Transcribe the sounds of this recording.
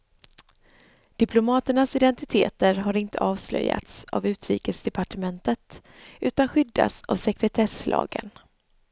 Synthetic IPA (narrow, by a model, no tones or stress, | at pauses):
d̪̥ɪpʰlʊmɑːt̪əɳasɪd̪ɛnt̪ɪt̪ʰeːt̪əɾɦaɾɪnt̪ʰəɑːvslœ̰jːa̰t̪sa̰vʉ̟ːt̪ɾḭːkəsd̪ɛpaʈəmɛnt̪ət̪ | ʉ̟ːt̪anɧʏd̪ːa̰sa̰vsɛkɾɛt̪ʰɛslʔɑ̰ːɡə̰n